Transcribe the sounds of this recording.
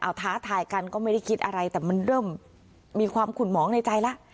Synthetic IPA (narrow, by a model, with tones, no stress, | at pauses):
ʔa˨˩wt̪ʰaː˦˥t̪ʰaː˧jka˧nkɔː˥˩ma˥˩jda˥˩jkʰi˦˥t̪̚ʔa˧ɾa˧jt̪ɛː˨˩ma˧nɾɤː˥˩mː | iː˧kʰwaː˧mkʰu˨˩nmɔː˩˦ŋna˧jt͡ɕa˧jla˦˥ʔ